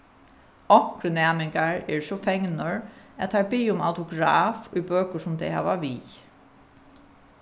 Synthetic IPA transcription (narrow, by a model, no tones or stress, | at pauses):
ɔŋ̥kɾənɛːmɪŋkaɹɛɹsɔfɛŋnɔɹæ̰t̪t̪ʰaɹbijʊma̰wt̪ʰʊɡɾaːfʊjbøːkʊsʊmt̪ʰɛjha̰ːʋaʋḭː